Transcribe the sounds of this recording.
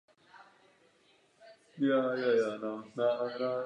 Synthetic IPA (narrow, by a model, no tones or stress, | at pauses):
jajajananaana